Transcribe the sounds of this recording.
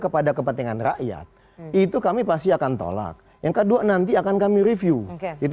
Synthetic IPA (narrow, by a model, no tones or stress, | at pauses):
kəpadakəpənt̪iŋanra̰ʔja̰t̪̚ | it̪ukamipas̬t̪iakant̪o̰la̰k̚ | jaŋkəduanant̪iakankamiɾifjuit̪